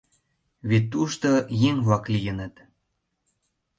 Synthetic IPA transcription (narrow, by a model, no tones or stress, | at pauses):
βit̪ːuʃt̪ojeŋβlɑklijənət̪